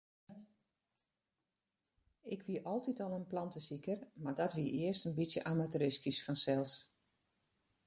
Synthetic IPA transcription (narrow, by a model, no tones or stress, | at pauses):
ɪkʋiəʔɔlˠtitɔlˠənplɑntəsikərmardɔtʋiəʔɪəstənbisjəʔamatəɾɪskisfɔnsɛlˠs